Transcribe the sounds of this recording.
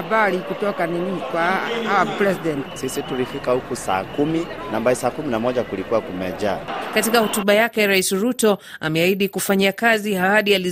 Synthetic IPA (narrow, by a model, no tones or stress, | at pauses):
ɓaɾikutɔkaninikwahawapɾɛsidɛntsisitulifikahukusa̰ːkumi | nambaisaːkuminamɔʄakulikuwakumɛʄakatikahɔtuɓajakɛɾaisɾutɔa̰mɛaiɗikufaɲiakazihahaɗiali